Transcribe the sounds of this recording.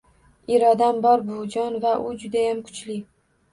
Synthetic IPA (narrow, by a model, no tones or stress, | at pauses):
iɾɒd̪ambɒɾbʊd͡ʒɒnvaʔʊd͡ʒʊd̪ajamkʰʊ̥t͡ʃlɪ